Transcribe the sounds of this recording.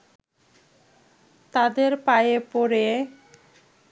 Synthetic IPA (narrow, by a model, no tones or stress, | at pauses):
t̪ad̪eɾpajepoɾe